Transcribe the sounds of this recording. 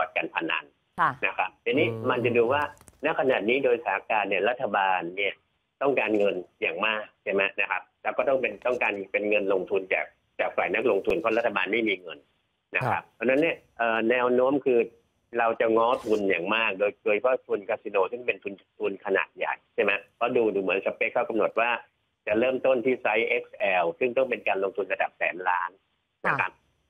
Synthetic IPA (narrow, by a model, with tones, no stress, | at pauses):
kɔː˨˩t̪̚ka˧npʰa˧na̰˧n | na˦˥kʰa˦˥p̚t̪ɛ˧niː˦˥ma˧nt͡ɕa˨˧duː˧waː˥˩na˦˥˩kʰa˧naː˨˩t̪̚niː˦˥doː˧jsaː˦a˦kaː˧nni˥˩ɐɾa˦˥t̪ʰːa˧baː˧nːi˥˩ɐ | t̪ɔ˥˩ŋkaː˧nŋɤ˧njaː˨˩ŋmaː˥˩k̚t͡ɕʰa˥˩ma˦˥na˦˥kʰa˦˥p̚lɛ˧wkɔː˥˩t̪ɔ˥˩ŋpe˧nt̪ɔ˥˩ŋkaː˧npe˧nŋɤ˧nlo˧ŋt̪ʰu˧nt͡ɕa̰ː˨˩k̚ | t͡ɕaː˨˩k̚fa̰ː˨˩jna˦˥k̚lo˧ŋt̪ʰu˧npʰɔ˦˥˩la˦˥t̪ʰːa˧baː˧nma˥˩jmiː˧ŋɤ˧nː | a˦kʰa˦˥p̚pʰɔ˧˥na˦˥nːi˥˩ɐʔɤː˨˩nɛː˧wnoː˦˥mkʰɯː˧ | ɾa˧wt͡ɕa˨˩ŋɔː˦˥t̪ʰu˧njaː˨˩ŋmaː˥˩k̚doː˧jdoː˧jpʰɔ˦˥˩t̪ʰu˧nkʰa˦˥si˧noː˧sɯ˥˩ŋpe˧nt̪ʰu˧nt̪ʰu˧nkʰa˧na̰ː˨˩t̪̚ja̰˨˩jt͡ɕʰa˥˩mɛ˦˥pʰɾɔ˦˥duː˧duː˧mɯ˩˦ənsa˨˧pːe˦˥kʰːa˥˩wka˧mno˨˩t̪̚waː˥˩ | t͡ɕa˨˩ɾɤː˥˩mt̪o˥˩nt̪ʰiː˥˩sa˦˥jʔe˦˥k̚sʔɛː˧wsɯ˥˩ŋt̪ɔ˥˩ŋpe˧nkaː˧nlo˧ŋt̪ʰu˧nɾa˧da˨˩p̚sɛ̰ː˩˦mlaː˦˥nː | a˦˥kʰa˦˥p̚